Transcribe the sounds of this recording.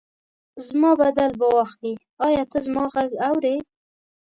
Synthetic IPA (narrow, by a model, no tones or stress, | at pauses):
zmɑbad̪albawɑxli | ɑjɑt̪əzmɑɣaɡawɾe